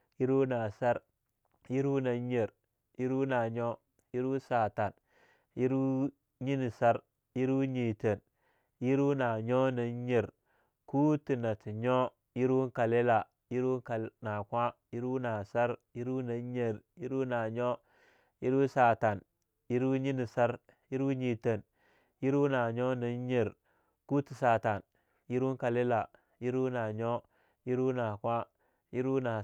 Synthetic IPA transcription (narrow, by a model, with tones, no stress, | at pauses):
ji˦ɾu˦na˨sa˦ɾ | ji˦ɾu˦na˨ɲe˨ɾ | ji˦ɾu˦na˨ɲo˦ | ji˦ɾu˦sa˨ta˨n | ji˦ɾu˦ | ɲi˦ni˨sa˦ɾ | ji˦ɾu˦ɲi˨te˨n | ji˦ɾu˦na˨ɲo˦na˨˦ɲe˨ɾ | ku˦ti˨na˨ti˨ɲo˦ | ji˦ɾu˦ŋ˦ka˨le˦la˨ | ji˦ɾu˦ka˨na˨kʷa˦ji˦ɾu˦na˨sa˦ɾji˦ɾu˦na˨˦ɲe˨ɾji˦ɾu˦na˨ɲo˦ | ji˦ɾu˦sa˨ta˨n | ji˦ɾu˦ɲi˦ni˨sa˦ɾ | ji˦ɾu˦ɲi˦tə˨n | ji˦ɾu˦na˨ɲo˦na˨˦ɲe˨ɾ | ku˦ti˨sa˨ta˨n | ji˦ɾu˦ŋka˨le˦la˨ | ji˦ɾu˦na˨ɲo˦ | ji˦ɾu˦na˨kʷa˦ | ji˦ɾu˦na˨